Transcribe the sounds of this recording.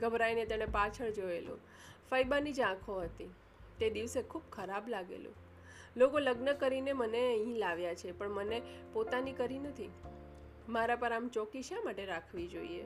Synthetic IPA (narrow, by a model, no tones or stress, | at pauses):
ɡʱəbɾainet̪əɽepat͡ʃʰəɭd͡ʒoḛlṵ̃ | fəjbanid͡ʒãkʰoɦət̪i | t̪ed̪iʋsekʰubkʰəɾablaɡḛlṵ̃ | lokoləɡnəkəɾineməneəĩlaʋjat͡ʃʰepəɳmənepot̪anikəɾinət̪ʰi | maɾapəɾamt͡ʃɔkiʃamaʈeɾakʰʋid͡ʒoiḛ